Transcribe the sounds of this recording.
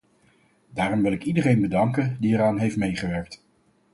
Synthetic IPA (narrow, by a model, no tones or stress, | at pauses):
daːrɔmʋɪlˠɪkidərejnbədɑŋkəndiɛɾaːnɦejftmejχəʋɛɹk̚t